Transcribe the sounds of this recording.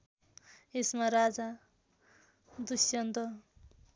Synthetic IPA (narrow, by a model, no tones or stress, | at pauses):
esmaɾad͡za | d̪usjʌnd̪ʌ